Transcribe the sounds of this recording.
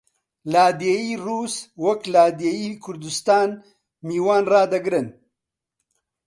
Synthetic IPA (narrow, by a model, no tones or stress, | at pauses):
laːd̪eiːruːswɐklaːd̪ejiːkʰʊɾd̪ust̪aːn | miːwaːnrɑːd̪ɐɡɾɨn